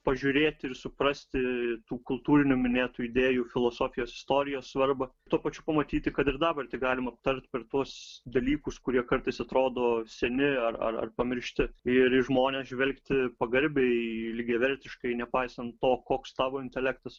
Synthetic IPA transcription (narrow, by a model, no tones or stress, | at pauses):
pɐʒʲʊɾʲeːt̪ʲɪɾsʊpɾɐsʲt̪ʲɪt̪uːkʊlˠt̪uːɾʲɪnʲʊmʲɪnʲeːt̪uːɪd̪ʲeːjufʲɪlˠoːsoːfʲɪjoːsɪ̥st̪oːɾʲɪjoːssʋɐrbɐt̪uɔpɐt͡ʃʲʊpɐmɐt̪ʲiːt̪ʲɪkɐt̪ɪɾd̪ɑːbɐrt̪ʲɪɡɑːlʲɪmɐp̚t̪ɐɾʲt̪ʲpʲɛrt̪uɔsd̪ɐlʲiːkʊskʊɾʲiɛkɐɾt̪ɐɪsɐt̪ɾoːd̪oːsʲɛnʲɪɐrɐ̰rɐ̰rpɐmʲɪɾʲʃʲt̪ʲɪɪɾɪʒmoːnʲeːsʒʲʋʲɛlʲkt̪ʲɪpɐɡɐɾʲbʲɛɪlʲɪɡʲɛʋʲɛɾʲt̪ʲɪʃkɐɪnʲɛpɐɪsɐnt̪t̪ːoːkoːkst̪ɑːʋoːɪnʲt̪ʲɛlʲæk̚t̪ɐs